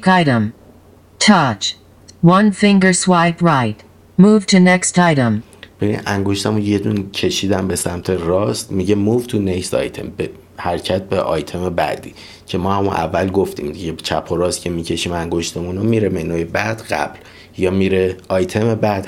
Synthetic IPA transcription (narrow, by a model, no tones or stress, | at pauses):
kaɪɾə̃m | tʰʌt͡ʃ | wʌ̃nfɪ̃ŋɡə˞swaɪpɹaɪt̚ | muv̥tʰɨnɛkstaɪɾə̃m | b̥ebḭnæŋɡo̞ʃt̪ʰæmũnje̞d̪unicʰe̞ʃiːd̪æmbe̞sæmt̪ʰe̞rɒːst̪miɟemuːvt̪ʰunecst̪ɒ̰jt̪ʰe̞̰mbe | hæɾcʰæt̪̚beʔɒ̰ːjt̪ʰe̞mebæ̰d̪ḭː | cʰe̞mɒːhæmunʔæ̰vːælɡoft̪ḭːmd̪iɟet͡ʃʰæpʰoɾɒːst̪cʰe̞miːcʰe̞ʃiːmæŋɡoʃt̪ʰemunomiɾemenojebæd̪̥ɢæ̰b̥l | jɒːmiːɾeɒjt̪ʰe̞mebæd̪̥